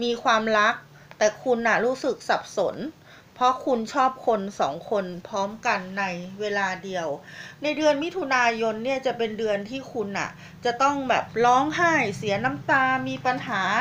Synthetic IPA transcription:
miː˧kʰwaː˧mɾa˦˥k̚ | t̪ɛː˨˩kʰu˧nʔa˨˩ɾuː˦˥sɯ˨˩k̚sa˨˩p̚so˩˦n | pʰɔ˦˥kʰu˧nt͡ɕʰɔː˥˩p̚kʰo˧nsɔ̰ː˩˦ŋkʰo˧npʰɔː˦˥mka˧nːa˧jweː˧laː˧di˧əwna˧jdɯ˧ənmi˦˥t̪ʰu˧naː˧jo˧nːi˥˩ɐt͡ɕa˨˩pe˧ndɯ˧ənt̪ʰiː˥˩kʰu˧nʔa̰˨˩ | t͡ɕa˨˩t̪ɔ˥˩ŋbɛː˨˩p̚lɔː˦˥ŋɦaː˥˩jsi˩˦ɐna˦˥mt̪aː˧miː˧pa˧nɦaː˩˦

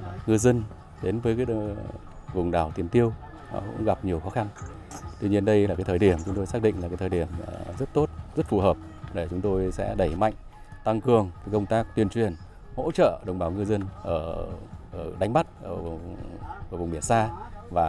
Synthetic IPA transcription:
ŋɨ˧zə˧n | ɗe˨˦nvəː˨˦jkː | vʊ˨˩ŋ͡mɗaː˨˩wt̪i˨˩ənt̪i˧əw | nɔ̰˨˦kʊ̰˧˥ŋ͡mɣa˨˩p̚ɲi˨˩əwxɔ˨˦xa˧n | t̪wi˧ɲi˧ənɗə˧jla˨˩kaː˨˦t̪ʰəː˨˩jɗi˧˩əmt͡ɕʊ˨˦ŋ͡mt̪o˧jsaː˦˥k̚ɗḭ̈˧˨ŋ̟lkaː˨˦t̪ʰəː˨˩ɗi˧˩əmzə˦˥t̚t̪o˦˥t̚zə˦˥t̚fu˧˨˩həː˨˩p̚ | ɗe˧˩t͡ɕʊ˨˦ŋ͡mt̪o˧jsɛ̰˧˥ɗə˧˩jma̰˧˨jŋ̟ | t̪a˧ŋkɨ˨˩əŋ˨˦kə˧wŋ͡mt̪aː˦˥k̚t̪wi˧ənt͡ɕwi˨˩ən | ho̰˧˥t͡ɕə̰ː˧˨ɗə˨˩wŋ͡mɓaː˧˩wŋɨ˧zə˧nʔəː˧˩ʔəː˧˩ɗa˨˦jŋ̟ma˦˥t̚ʔəː˧˩˨ʔːvʊ˨˩ŋ͡mɓi˧˩ənsaː˧vaː˨˩

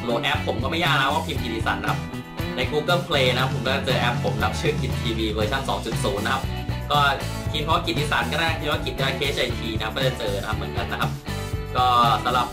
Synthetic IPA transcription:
loː˧t̪̚ʔɛ˦˥pʰːo˩˦mkɔː˥˩ma˥˩jːaː˥˩na˦˥waː˥˩pʰi˧mki˨˩t̪̚ʔi˧sa̰˨˩t̪̚a˦kʰa˦˥p̚ | na˧jkuː˧kɤ˥˩pʰleː˧na˦kʰa˦˥pʰːo˩˦mkɔː˥˩t͡ɕa˧˩t͡ɕɤː˧ʔɛ˦˥pʰːo˩˦mna˦˥p̚t͡ɕʰɯː˥˩kʰi˨˩t̪̚p̪ʰiː˧wiː˧kʰɤː˧jt̪ʰa˥˩ŋsɔː˩˦ŋt͡ɕu˨˩t̪̚suː˩˦nːa˦kʰa˦˥p̚ | kɔː˥˩ | pʰiː˧mʰɔ˦wa˥˩ki˨˩t̪̚ʔiː˧˥sa˨˩t̪̚kɔː˥˩na˥˩kʰiː˧˦a˥ki˨˩t̪̚daː˦˥˩kʰeː˦˥t͡ɕʰʔa˧t̪ʰiː˧na˦kʰa˥p̚kɔː˥˩t͡ɕt͡ɕɤː˧na˦kʰa˦˥p̚mɯ˩˦ə˦nka˧nːa˦˥kʰa˦˥p̚ | kɔː˥˩sa˨˦mɾa˨˩p̚

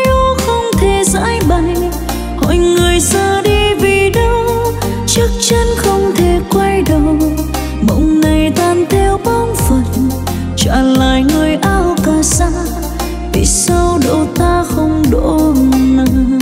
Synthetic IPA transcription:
jʔo˧˦xə˧wŋ͡mt̪ʰe˨˩za̰ː˧˥jɓa˨j | hɔ̰˧˨jŋɨ˨˩əjsəː˧ɗi˧vi˨˩ɗə˧w | t͡ɕɨ˦˥ək̚t͡ɕə˧nxə˧wŋ͡mt̪ʰe˨˩kwa˧jɗə˨w | ɓə̰˧˨wŋ͡mna˨˩jt̪aː˧˩nt̪ʰɛ˧wɓa˧ŋ͡mfə˨˩n̚ | t͡ɕa̰ː˧˨˩la̰ː˧˨jŋɨ˨˩əjʔaː˧wkaː˨˩sa˧˥ | vḭ˧˨˩sə˧wɗo̰˧˨t̪aː˧xə˧wŋ͡mɗo̰˧˥˨nə˧˦

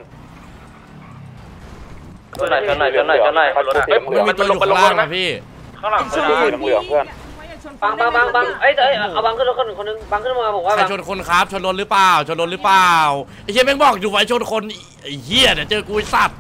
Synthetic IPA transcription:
a˧˩˧a˧˩˧a˧˩˧a˧˩˧niː˧t̪u˧ɐ˧ju˨la˧˥˩ŋka˦˥pʰiː˥˩˧ | ba˧˩ŋba˧ŋba˧˩ŋba˧˩ŋʔa˦˥˨jt̪ʔja˧wba˧ŋʰɯː˥˩˨kʰo˧n˧˩kʰo˧nːɯ˧ŋba˧ŋkʰɯ˥˩˨a˧˩bɔː˨˩kwaː˥˧a˧˩˧t͡ɕʰo˧nkʰo˧nkʰaː˦˥p̚t͡ɕʰo˧nlo˧˥nɾɯː˦˥plaː˨˩wt͡ɕʰo˧nlo˧nlɾɯ˦˥plaː˨˩˨wʔʰi˧˥˩mɛ˥˩bɔː˨˩k̚duː˧˩wa˧˦t͡ɕʰo˧˥nkʰo˧n | ʔhi˧˩ə˩da˨˩t͡ɕɤː˧kuː˧˦sa˨˩t̪̚

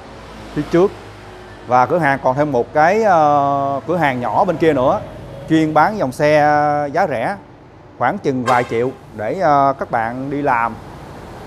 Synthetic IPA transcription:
t̪ʰi˧˦t͡ɕɨ˦˥ək̚ | vaː˨˩kɨ̰˧˩əɦaː˨˩ŋkɔ˨˩nt̪ʰe˧mːo˨˩t̚kaː˨˦jəː˧kɨ˧˩əɦaː˨˩ŋɲɔ˧˩ɓe˧nki˧ənɨ̰˧˥ət͡ɕwi˧ənɓaː˨˦nzɔ˨˩wŋ͡msɛ˧zaː˨˦zɛ̰˧˥ | xwaː˧˩ŋt͡ɕɨ˨˩ŋvaː˨˩jt͡ɕḭ˧˨əw | ɗeː˧˩˨kaː˦˥k̚ɓa̰ː˧˨nɗi˧laː˨˩m

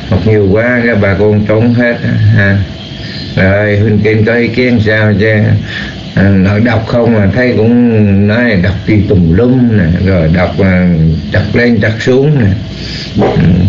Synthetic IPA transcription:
hɔ˨˩t̚ɲi˨˩əwkwaː˨˦kaː˦˥k̚ɓaː˨˩kɔ˧nt̪o˨˦nɦe˦˥t̚aː˨˦ɦaː˧ | zə˨˩jɦwï˨˩ŋ̟ki˧ŋkɔ˨˦ʔi˧˦ki˧˦ənsaː˧wt͡ɕa˧˩ | nɔ˧˦jɗa˨˩wk͡p̚xə˧wŋ͡mmaː˨˩t̪ʰə˨˦jkʊ̰˧˥ŋ͡mnɔ˨˦na˨˩ɗa˨˩wk͡p̚ɗi˧t̪ʊ˨˩ŋ͡mlɨ˧mna˨˩zo˨˩jɗa˨˩wk͡p̚ːt͡ɕa˨˩k̚le˧nt͡ɕa˨˩k̚su˨˦əŋnaː˨˩˨

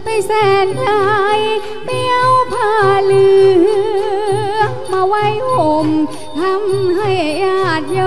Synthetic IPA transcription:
pa˧˩jsɛː˧˩nkaː˧j | mi˧ə˧wpʰaː˧˩lɯː˧hɯ˧˥˧ | maː˧wa˧˥jʔo˨˧˩m | t̪ʰa˧˥mɦa˥˧˩jʔaː˧˩t̪̚jɔ˧

